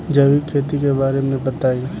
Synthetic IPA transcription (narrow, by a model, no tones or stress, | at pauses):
d͡ʒɐʋikʰeːt̪̬ikebaːɾemẽbɐt̪aːi